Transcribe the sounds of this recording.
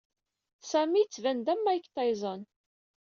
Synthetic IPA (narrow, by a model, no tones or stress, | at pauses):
sæmit͡sːvænd̪æmːæjəkːt̪ɑjzˤɑn